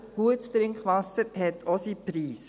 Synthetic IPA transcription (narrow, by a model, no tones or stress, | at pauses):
huətst̪ɾɪŋkχʋɑsəɾhɛtʰosipɾiːs